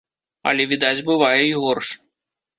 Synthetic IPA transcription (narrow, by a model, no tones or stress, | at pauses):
ɐ̰lʲɛvʲid̪ad͡zʲbɨvajɛiɣɔrʂ